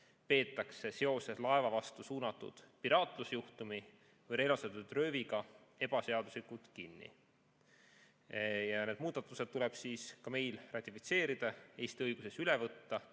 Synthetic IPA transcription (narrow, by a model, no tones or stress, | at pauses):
pe̞ːt̪ːˑɑkse̞se̞o̞se̞slɑe̞vɑvɑst̪usuːnɑt̪ːˑṵd̪̥piɾɑːt̪ˑlusjuht̪umi | vɤjre̞lɑset̪ːud̪̥rø̞ːviɡ̥ɑe̞b̥ɑse̞ɑd̪̥uslikult̪kinːḭ | jɑne̞d̪̥muːd̪̥ɑt̪ːˑuse̞d̪̚t̪ːulɛb̥siːskɑme̞jlrɑt̪ʲːˑifi̥t̪se̞ːɾid̪̥ɑe̞ːjst̪iɤjɡ̥use̞sylevɤt̪ːɑ